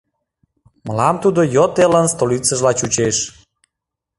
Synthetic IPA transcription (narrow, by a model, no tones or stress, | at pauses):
məlɑmt̪ud̪ojot̪elənst̪olit͡səʒlɑt͡ɕut͡ɕeʃ